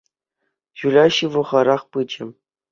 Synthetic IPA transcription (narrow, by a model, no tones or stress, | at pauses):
ɕulʲɑɕɯʋɤ̆ʁɑɾɑχpɯd͡ʑɘ̆